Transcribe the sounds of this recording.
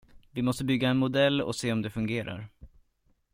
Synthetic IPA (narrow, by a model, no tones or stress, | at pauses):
vɪmɔst̪əbʏɡːaɛnmʊd̪ɛlːɔ̰seːɔmd̪ɛfɵŋɡeːɾʔa̰ɾ